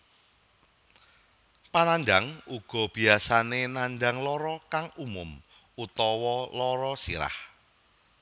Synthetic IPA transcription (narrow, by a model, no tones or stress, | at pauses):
panaɲd͡ʒaŋuɡ̥ɔ̤b̥iasanenaɲd͡ʒaŋlɔɾɔkaŋumʊm | ut̪ɔwɔlɔɾɔsḭɾa̰h